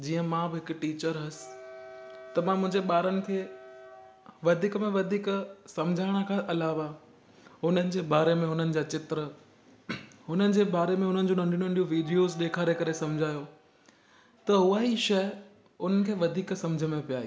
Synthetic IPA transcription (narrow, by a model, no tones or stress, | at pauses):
d͡ʑiːə̃mãbɪɦɪkʊʈiːt͡ɕəɾɦɐsɪ̥ | t̪ɐmãmʊ̃ɦɪ̃ɲd͡ʑeɓaːɾənɪ̆kʰeː | ʋɐd̪ʱiːkmẽʋɐd̪ʱiːksɐ̃md͡ʑʱaːɪɽ̃əkʰãʔɐlaːʋa | ɦʊn̤ənɪ̆d͡ʑeːbaːɾemẽɦʊn̤ənɪ̆d͡ʑaːt͡ɕɪt̪ɾə | ɦʊn̤ənɪ̆d͡ʑeːbaːɾemẽʊn̤ənɪ̆d͡ʑoːnɐ̃ɳɖij̃ə̃ɳɖijũʋiːɖijozɗeːkʰaːɾekɐɾesɐmd͡ʑʱaːjo | t̪ɐɦʊaːiʃɐ | ʊn̤ənɪ̆kʰeːʋɐd̪ʱiːksɐ̃md͡ʑʱəmẽpijaːɦḭː